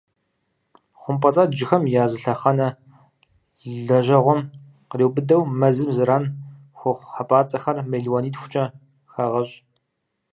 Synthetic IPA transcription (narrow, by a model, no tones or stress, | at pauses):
χʷʊmpʼɐt͡sʼaːd͡ʒɪxɐmjaːzɨɬɐχɐnɐ | ɮɐʒɐʁʷɔm | qəreːwbɨdɐwmɐzɨmzɨɾaːn | xʷʊχʷħapʼaːt͡sʼɐxɐrmejɮwaniːtxʷʊ̥t͡ʃʼɐ | xaʁɐʑ